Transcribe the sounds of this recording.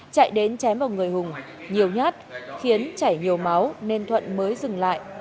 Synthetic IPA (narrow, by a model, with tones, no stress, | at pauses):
t͡ɕa̰˧˨jɗe˨˦nt͡ɕɛ˨˦mvaː˨˩wŋɨ˨˩əjhʊ˨˩ŋŋ͡m | ɲi˨˩əwɲaː˦˥t̚xi˨˦ənt͡ɕaː˧˩jɲi˨˩əwma˨˦wne˧nt̪ʰwə̰˧˨nməː˨˦jzɨ˨˩ŋla̰ː˧˨jʔ